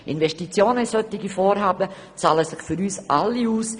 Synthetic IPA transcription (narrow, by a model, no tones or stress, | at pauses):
ʔɪnvɛʃtit͡sjoːnəisœt̪ɪɡifɔːɾɦɑːbə | t͡sɑːləsɪχfʏɾyːsʔalːiuːs